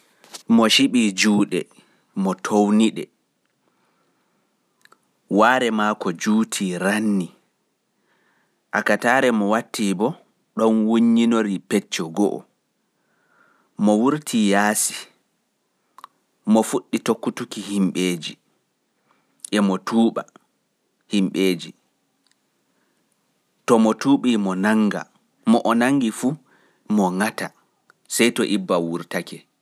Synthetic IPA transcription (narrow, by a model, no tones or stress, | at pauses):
mɔʃiɓid͡ʒuːɗɛ | mɔtʰowniɗɛ | waːɾɛmaːkɔd͡ʒuːtʰiɾanːi | ʔakataːɾɛmɔwatʰːibɔ | ɗɔnwuɲːinoɾipɛt͡ʃːɔɡɔ̰ʔɔ̰ | mɔwuɾtʰijaːsi̥ | mɔfuɗːitokːutukihimɓeːd͡ʒi | ʔɛmɔtʰuːɓa̰ | himɓeːd͡ʒi | tɔmɔtuːɓimɔnaŋɡa̰ | mɔʔɔnaŋɡifuː | mɔŋata | sɛjtɔʔibːawuɾtakɛ